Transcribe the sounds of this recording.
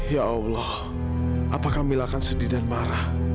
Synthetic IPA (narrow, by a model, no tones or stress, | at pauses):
jaɔwlɔh | ʔapakamilakansədidanmaɾah